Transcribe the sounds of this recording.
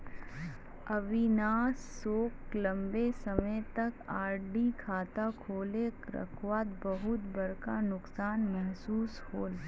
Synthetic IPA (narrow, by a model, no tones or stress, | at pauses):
ɐʋɪnaːsːoːklɐ̃mbesɐməjt̪ɐkaːɾɖikʰaːt̪akʰoːlekɾə̰kʰwaːt̪̚bɐɦʊt̪bɐɾkanʊksaːnmɛɦsuːshoːl